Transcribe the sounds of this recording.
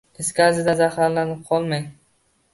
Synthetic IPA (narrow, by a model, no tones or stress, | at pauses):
eskʲazɪd̪azahaɾlanɪp̚qʰɒlˠmaj